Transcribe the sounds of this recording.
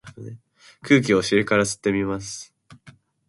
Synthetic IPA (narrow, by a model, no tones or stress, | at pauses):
e | kʰɯ̟ːkʲio̞ɕiɾɯ̟kaɾasɨ̥t̪ːe̞mʲimasɨ̥